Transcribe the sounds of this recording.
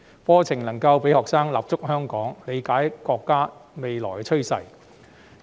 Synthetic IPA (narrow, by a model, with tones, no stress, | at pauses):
fɔː˥t͡sʰɪ˨˩ŋlɐ˨˩ŋkɐ˧wpe˨˥jhɔː˨k̚saː˥ŋlaː˨˩p̚t͡sʊ˥k̚hœː˥ŋkɔː˨˥ŋle˨˧jkaː˨˥jkɔː˧kːaː˥me˨jlɔ̰ː˨˩kt͡ʃʰɵ˥ɥsɐ̰˨j